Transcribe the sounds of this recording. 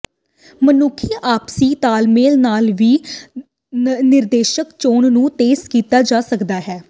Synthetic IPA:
mənʊkʰːiːʔaːpsiːt̪aːlmeːlnaːlʋiː | nɪɾd̪eːʃəkt͡ʃoːɳnũːt̪eːzkiːt̪aːd͡ʒaːsəkd̪aːɦɛː

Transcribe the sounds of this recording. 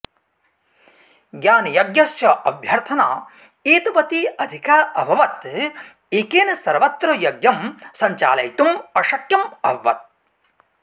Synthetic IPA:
ɡjaːnjɐɡjɐsjɐʔɐbʱjɐɾt̪ʰɐna̰ː | eːt̪ɐʋɐt̪iɐd̪ʱikaːʔɐbʱɐʋɐt̪ | ikeːnɐsɐɾʋɐt̪ɾɐjɐɡjɐmsɐɲt͡ʃa̰ːlɐjt̪umɐʃɐkjɐmɐːɐ̰t̪̚

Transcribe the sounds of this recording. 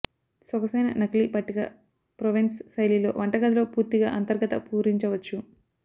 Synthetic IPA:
sɔkɐsɐjnɐ̰nɐklipɐʈːikɐ̰ | pɾoʋinssɐjlilo̞̰ːʋɐɳʈɐɡɐd̪lo̞ːpuːɾt̪iɡa̰ːʔɐnt̪ɐɾɡɐt̪ɐpuːɾiɲt͡ʃɐʋɐt͡ʃːu

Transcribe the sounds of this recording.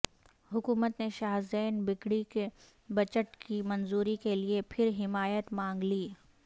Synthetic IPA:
hʊkuːmət̪neʃaːɦzɛːnbɪkɽike | bɐt͡ʃəʈkimɐnzuːɾikeliepʰɪɾɦɪmaːjət̪mãːŋɡliː

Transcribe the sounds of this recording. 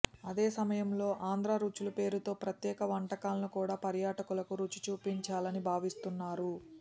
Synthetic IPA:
ɐd̪e̞ːsɐmɐjɐmlo̞ːʔaːnd̪ɾaːɾuːt͡ʃulupe̞ːɾut̪o̞ːpɾɐt̪jɛːkɐʋɐɳʈɐkaːlɐnukuːɽaːpɐɾjaːʈɐkulɐkuɾut͡ʃːi̥t͡ʃuːpiɲt͡ʃaːlɐnibʱaːʋist̪unːaːɾu

